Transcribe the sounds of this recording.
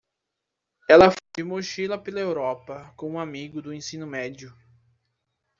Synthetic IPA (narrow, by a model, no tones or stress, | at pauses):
ɛlɐfojd͡ʒɪmoʃilɐpelɐewɾɔpɐkõũamiɡʊd̪ʊẽsĩnʊmɛd͡ʒiʊ